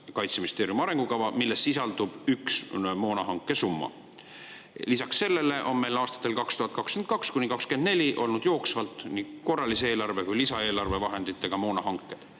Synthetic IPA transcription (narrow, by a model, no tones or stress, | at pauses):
kɑjt̪sminist̪eːɾjumɑɾe̞ŋɡ̥ukɑvɑmilːe̞sːisɑld̪ub̥yksmo̞ːnɑɦɑŋkːˑe̞sumːɑ̰ | lisɑksːe̞lːe̞le̞ʔo̞̰nme̞jlɑːst̪ɑ̥t̪ːˑe̞lkɑkst̪uhɑt̪kɑksken̚kɑkskunʲikɑkske̞nd̪ne̞lʲiʔo̞lnud̪̥jo̞ːksvɑlt̪ˑniko̞rːɑliseeːlɑrve̞kujlisɑe̞ːlɑrve̞vɑɦe̞nd̪it̪ːˑe̞ɡ̥ɑmo̞ːnɑɦɑŋkːˑe̞d̪̥